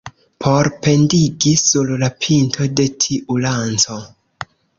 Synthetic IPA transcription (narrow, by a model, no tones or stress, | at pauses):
pʰo̞ɾpe̞ndiɡisullapʰintʰo̞de̞tʰiʔulant͡so̞